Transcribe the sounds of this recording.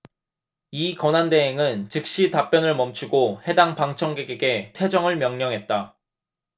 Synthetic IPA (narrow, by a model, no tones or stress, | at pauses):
ikʌnande̞ɦeŋɯnt͡ɕɯk̚ɕ͈itap͈jʌnɯɭmʌmt͡ɕʰuɡohe̞daŋpaŋt͡ɕʰʌŋɡeɡeɡe̞tʰwe̞d͡ʑʌŋɯɭmjʌŋɲʌŋɦe̞t̚t͈a